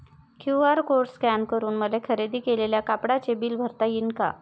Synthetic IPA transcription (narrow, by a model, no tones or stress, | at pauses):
kʰjuɦaɾkoɾskænkəɾuːnməlekʰəɾed̪iːkeleljakapɽat͡sebiːlbʱəɾt̪ajinka̰